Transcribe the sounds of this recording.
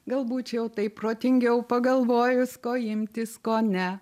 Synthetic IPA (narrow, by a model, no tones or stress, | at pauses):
ɡɐlˠbuːt͡ʃʲjɛʊt̪ɐɪppːɾoːt̪ʲɪŋʲɡʲɛʊpɐɡɐlˠʋoːjʊskoːɪmʲt̪ʲɪskoːnʲɛ